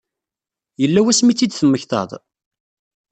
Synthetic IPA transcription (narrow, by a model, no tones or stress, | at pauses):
jəlːæwæsmit͡sːid̪θəmːəçθɑ̰ðˤ